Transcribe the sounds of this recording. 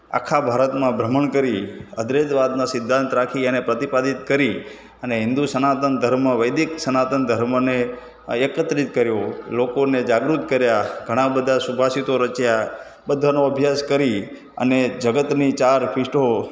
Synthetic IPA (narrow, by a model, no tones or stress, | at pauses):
a̰kʰabʱaɾət̪mãbʱɾəməɳkəɾiəd̪ɾed͡ʒ̪ʋad̪nasɪd̪ʱːãnt̪ɾakʰiənepɾət̪ipad̪it̪kəɾi | əneɦɪ̃nd̪usənat̪ənd̪ʱəɾməʋəjd̪iksənat̪ənd̪ʱəɾməne | ekət̪ɾit̪̚kəɾjolokoned͡ʒaɡɾut̪kəɾjaɡʱəɽ̃ãbəd̪ʱasubʱasit̪oɾət͡ʃja | bəd̪ʱanoəbʱjaskəɾi | ə̰ned͡ʒəɡət̪nit͡ʃaɾpʰɪʃʈʰo